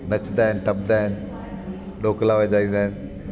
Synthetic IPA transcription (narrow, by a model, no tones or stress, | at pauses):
nɐt͡ʃnd̪aːɦɪnɪʈɐbd̪aːɦɪnɪ | ɗoːklaːʋəd̪aːĩːnd̪aːɦɪn